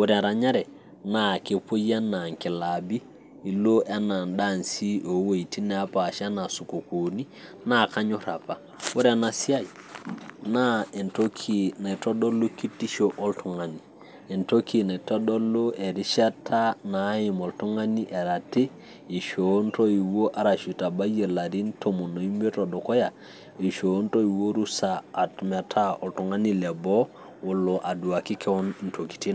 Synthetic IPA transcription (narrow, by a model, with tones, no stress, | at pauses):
wu˦ɾɛ˨ɾa˨ɲa˦ɾɛ˨ | na˦˨ke˦po˦ja˦na˨ŋki˨la˨bi˦ | i˨lo˦ʔe˦na˨nɗa˦˨nsi˦o˨˦we˨i˨ti˦nɛ˨a˦pa˨ʃa˦na˨su˨ko˨ku˨ni˦ | na˦˨ka˦ɲo˦ɾa˨pa˨ | wu˦ɾɛ˨na˨si˦a˦˨i˨ | na˦e˨nto˦kʰi˨na˨tɔ˦ɗo˦lːo˦ki˦tːi˦ʃo˨ʔɔ˦ltu˨ŋa˨ni˨ | e˨nto˦ki˨na˨i˨to˦do˦lo˦e˨ɾi˦ʃa˦tʰa˦na˨˦ji˨mo˨ltu˦ŋa˦ni˦ʔe˨ɾa˨ti˦ | i˨ʃo˨˦nto˦i˨wo˦ʔa˨ɾa˨ʃu˨ta˨ba˦jə˨la˨ɾi˦nto˨mo˨no˨i˦mbe˦to˨do˨ko˦ja˨ | i˨ʃo˨˦nto˦i˨wo˦ɾu˦saː˨tma˨tʰa˦ɔ˨ltu˨ŋa˦ni˦le˨bɔ˦ | wo˨lːo˨ʔa˨du˨a˨ki˦kɛ˦wɔ˦ni˨nto˨ki̥˨ti˦n